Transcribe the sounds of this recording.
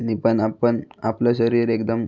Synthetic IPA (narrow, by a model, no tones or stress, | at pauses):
nipəɳapəɳaplaɕəɾiːɾekd̪əm